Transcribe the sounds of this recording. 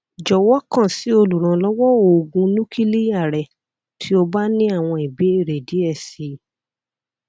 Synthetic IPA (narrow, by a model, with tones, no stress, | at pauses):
d͡ʒɔ˨wɔ˦kã˦˨si˨˦o˧lu˨ɾ̃ã˨˦lɔ˦wɔ˦o˨ɡũ˧nũ˦ki˦li˦ja˦˨ɾɛ˨ | tʰi˦o˧ba˦nĩ˦a˦˨w̃ɔ̃˧i˨be˨˦e˦˨ɾe˨di˨˦ɛ˦˨si˨˦